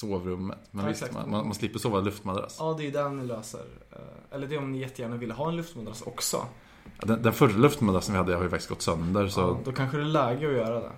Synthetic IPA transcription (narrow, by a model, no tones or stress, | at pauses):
soːvɾɵmːə̰t̪mɛnsm̰manmanslɪpːəɾsoːvalɵft̪mad̪ɾa̰sɑːd̪ɛjɵd̪ɛnɪløːsə̰ɾɛlːəɖɛɔmnɪjɛt̪ːəjæːɳavɪlːəɦɑːɛnlɵft̪mad̪ɾasɔ̰ksɔ̰ | ɑ̰d̪ɛnd̪ɛnfœɾalɵft̪mad̪ɾasənvɪhad̪ːəhaɾjʏfakt̪ɪ̥st̪̚ɡɔt̪ːsœnd̪əɾsɔd̪ɔkʰanɧəd̪ɛlɛːɡəɔjœːɾad̪ɛ̰